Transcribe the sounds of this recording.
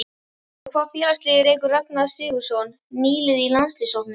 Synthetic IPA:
kʰvaːfiːnast̪lɪːɣɪɾeːjkʏɾraknaɾ̥sɪːɣʏ̥sɔwnːiːlɪðilanst̪lɪsowt̪nɪ

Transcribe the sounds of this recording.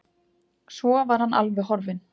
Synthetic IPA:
svɔvaɾ̥hanʔa̰lvɛɦɔɾvɪn

